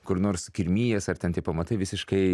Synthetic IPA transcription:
kʊɾnoːrskʲɪɾʲmʲiːjɛsɐrt̪ʲɛnt̪ʲɪpɐmɐt̪ɐɪʋʲɪsʲɪʃkɐɪ

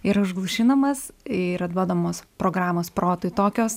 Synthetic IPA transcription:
ɪɾɐʊʒɡlˠʊʃʲiːnɐmɐsɪɾɐt̪d̪uɔd̪ɐmoːspɾoːɡɾɑːmoːspɾoːt̪ʊːɪt̪oːkʲoːs

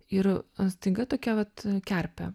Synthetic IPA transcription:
ɪrɐnsʲt̪ʲɪŋɡɐt̪oːkʲɛʋɐt̪kʲæɾʲpʲɛ̰

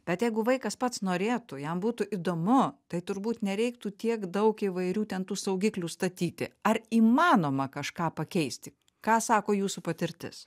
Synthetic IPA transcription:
b̥ʲɛt̪jɛɪɡʊʋɐɪkɐspɐt̪snoːɾʲeːt̪ʊjɛmbuːt̪ʊʔid̪oːmʊt̪ɐɪt̪ʊɾbuːt̪nʲɛɾʲɛɪkt̪uːt̪ʲiɛkd̪ɐʊkiʋɐɪɾʲuːt̪ʲɛnt̪uːsɐʊɡʲiklʲuːst̪ɐt̪ʲiːt̪ʲɪ̰ɐriːmɑːnoːmɐkɐʃkɑːpɐkʲɛɪsʲt̪ʲɪ | kɑːsɑːkoːjuːsupɐt̪ʲɪɾʲt̪ʲɪ̰s

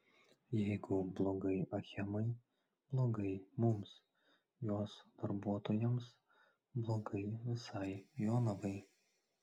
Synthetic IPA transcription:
jɛɪɡʊblˠoɡɐɪʔɐxʲɛmɐɪ | b̥lˠoːɡɐɪmʊms | joːsd̪̥ɐɾbuɔt̪oːjɛms | blˠoɡɐɪʋʲɪsɑɪjoːnɐʋɐɪ

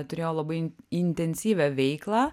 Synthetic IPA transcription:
t̪ʊɾʲeːjoːlˠɐbɐɪɪnʲt̪ʲɛnʲsʲiːʋʲæʋʲɛɪklˠɑː

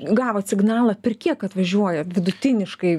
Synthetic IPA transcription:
ɡɑːʋoːsʲɪɡnɑːlˠɐpʲɛrkʲiɛkɐt̪ʋɐʒʲuɔjɛʋʲɪd̪ʊt̪ʲɪnʲɪʃkɐɪ

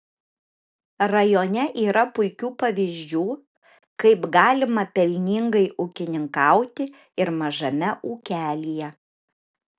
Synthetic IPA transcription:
ɾɐjoːnʲɛʔiːɾɐpʊɪkʲuːpɐʋʲiːzʲd͡ʒʲuː | kɐɪpɡɑːlʲɪmɐpʲɛlʲnʲɪŋɡɐɪʔuːkʲɪnʲɪŋkɐʊt̪ʲɪ | ɪɾmɐʒɐmʲɛʔuːkʲæːlʲijɛ

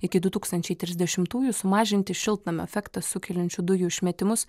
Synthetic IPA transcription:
ɪkʲɪd̪ʊt̪uːkst̪ɐnʲt͡ʃʲɛɪt̪ʲɾʲɪzʲd̪ʲɛʃʲɪmt̪uːjusʊmɑːʒʲɪnʲt̪ʲɪʃʲɪlˠt̪nɐmʲɛ̰fʲɛkt̪ɐsʊkʲɛlʲɛnʲt͡ʃʲʊd̪ʊjuʃʲmʲɛt̪ʲɪmʊs

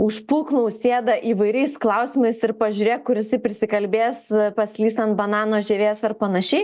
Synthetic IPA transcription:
ʊʃpulˠknoʊsʲeːd̪ɐʔiːʋɐɪɾʲɛɪsklˠɐʊsʲɪmɐɪsɪɾpɐʒʲuɾʲeːkʊɾʲɪsʲɪpʲɾʲɪsʲɪkɐlʲbʲeːspɐsʲlʲiːst̪ɐnt̪̚bɐnɑːnoːʒʲɛːʋʲeːsɐrpɐnɐʃʲɛɪ

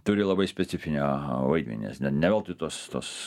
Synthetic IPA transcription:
t̪ʊɾʲɪlˠɐbɐɪsʲpʲɛt̪sʲɪfʲɪnʲɛʋɐɪd̪ʲmʲɛ̰nʲɛ̰snʲɛtnʲɛʋʲɛlˠt̪ɪt̪oɔst̪oːs

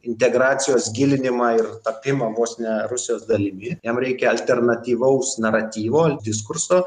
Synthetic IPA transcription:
ɪnʲt̪ʲɛɡɾɑːt̪sʲɪjoːsɡʲɪlʲɪnʲɪmɑːɪrt̪ɐpʲɪmɑːʋoːsʲnʲɛɾʊsʲɪjoːsd̪ɐlʲɪmʲɪjɛmɾʲɛɪkʲɛɐlʲt̪ʲɛrnɐt̪ʲiːʋɐʊsnɐɾɐt̪ʲiːʋoːlʲd̪ʲɪskʊrsoː

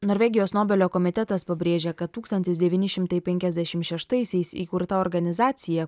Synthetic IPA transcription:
noːɾʲʋʲɛːɡʲɪjoːsnoːbʲɛlʲoːkɔmʲɪt̪ʲɛt̪ɐspɐbʲɾʲeːʒʲekɐt̪ːuːkst̪ɐnʲt̪ʲɪsd̪ʲɛʋʲiːnʲɪʃʲɪmt̪ɐɪpʲɛŋʲkʲɛzʲd̪ʲæʃʲɪmtʃʲɛʃt̪ɐɪsʲɛɪsḭːkʊɾt̪ɐɔːɾɡɐnʲɪzɑːt̪sʲɪjɛ

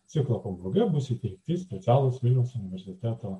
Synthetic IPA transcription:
sʲɪklˠɐkobʊɡʲɛmʊsʲɪt̪ʲɛɪk̚t̪ʲisʲpʲɛt̪ʲæːlˠoːsʋʲɪlʲnʲɛʊsʊnʲɪʋʲɛɾʲsʲɪt̪ʲæːt̪oː

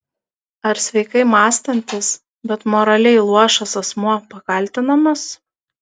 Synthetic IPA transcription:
ɐɾsʲʋʲɛɪkɐɪmɑːsʲt̪ɐnʲt̪ʲɪs | bʲɛt̪mɔɾɐlʲɛɪlˠuɔʃɐsɐsmuɔpɐkɐlʲˑt̪ʲɪnɐmɐs

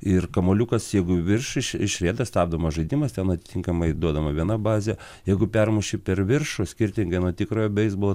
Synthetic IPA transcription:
ɪrkɐmoːlʲukɐsjɛɪɡʊʋʲɪrʃɪʃɪʃʲɾʲiːd̪ɐst̪ɑːbd̪omɐʒɐɪd̪ʲimɐst̪ʲɛnɐt̪ʲɪ̥t̪ʲɪŋkɐmɐɪd̪uɔd̪ɐmɐʋʲiɛnɐbɑːzʲɛ | jɛɪɡʊpʲɛrmuʃʲɪpʲɛrʋʲɪrʃosʲkʲɪrʲt̪ʲɪŋɡɐɪnuɔt̪ʲɪkɾoːjobʲɛɪzbolˠ

